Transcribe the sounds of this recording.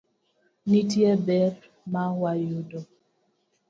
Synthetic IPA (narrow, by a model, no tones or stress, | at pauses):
nitjebɛɾ | mawajudo